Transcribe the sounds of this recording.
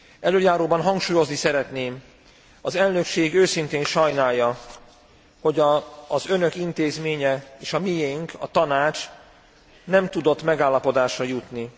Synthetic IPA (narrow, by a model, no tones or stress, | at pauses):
ʔɛløːjaːɾoːbɒnɦɒŋkʃuːjo̞znisɛɾɛt̪neːm | ɒzɛlnø̞kʃeːɡøːsint̪eːnʃɒjnaːjːɒ | ho̞ɟːzø̞nø̞kint̪eːzmeːɲɛeːʃɒmijeiŋkʰɒt̪ɒnaːt͡ʃ | nɛmt̪ud̪o̞t̪ːmɛɡaːlːɒpo̞d̪aːʃrɒjut̪ni